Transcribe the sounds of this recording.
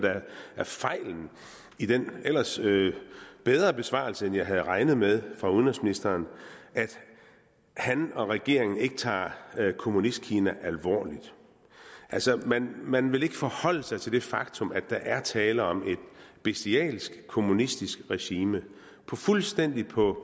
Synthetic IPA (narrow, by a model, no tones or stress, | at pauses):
d̥ææɐfɑ̈ɪ̰ln̩ | id̥enel̰ɐsøb̥eð̞ˠʁɐb̥e̝sʋɑ̰̈lsəenjɑ̈ɪɦæð̞̩ˠʁɑ̈ɪnəð̞̩ˠmeð̞ˠfʁɑ̈uðˠnʁɛsminisd̥ɐːnʔæd̥ | hænɒ̽ʁɛɡ̥e̝ɐ̰e̝ŋn̩e̝ɡ̥ət͡sʰɑ̰̈ːkʰo̝munisd̥̚kʰiːnæʔælʋɒ̰ːlid̥ | ʔælsɒmænmænʋe̝le̝ɡ̥əfɒhɒ̽l̰əsɑ̈ɪt͡sʰe̝ld̥e̝fɑ̈ɡ̥̚t͡sʰɔ̽mæ̥ɑ̈ʔæɐt͡sʰɛːləɒ̽me̝d̥̚b̥esd̥iɛ̰ːlsɡ̥kʰo̝munisd̥isɡ̥ʁɛɕiːmə | pʰɒ̽fulsd̥en̰d̥ipʰɒ̽